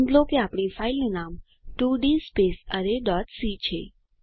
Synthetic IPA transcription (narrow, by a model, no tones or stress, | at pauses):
nd̪lokeapɽ̃ifailunam | ʈuɖispesəɾeɖɔʈ̪sit͡ʃʰe